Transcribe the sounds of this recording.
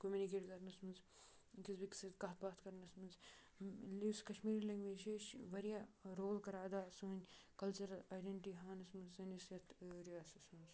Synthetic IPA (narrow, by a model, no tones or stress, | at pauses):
komʲunikeːʈkɐɾnɐsmɐnz | kisbiksɐd̪kɐɦɐt̪̚baːt̪kɐɾnɐsmɐnz | liskɐʃmiːɾilɐŋɡʋeːd͡ʒeʃʋɐɾijaɾoːlkɐɾaːd̪aːsuːnʲkɐlt͡ʃuɾɐlaːjɖeɳʈiɦaːnɐsmɐnzɐnisjɐt̪ʰɾiaːsɐsmɐnz